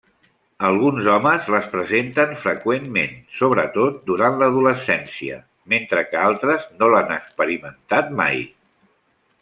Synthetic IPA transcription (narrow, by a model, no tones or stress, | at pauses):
əlˠɣ̞unzɔməzləspɾəzent̪ənfɾəkwemmḛnsoβɾət̪ot̪̚d̪uɾanləːðuləsɛnsiə̰ | ment̪ɾəkəalˠt̪ɾəznolanəkspəɾimənt̪at̪̚ma̰j